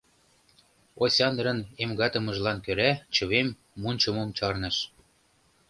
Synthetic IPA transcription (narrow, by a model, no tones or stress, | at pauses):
osʲɑnɾə̆nemɡɑt̪ə̆mə̆ʒlɑnkøɾæt͡ɕə̆βemː | unʲt͡ɕə̆momt͡ɕɑrnɤ̆ʃ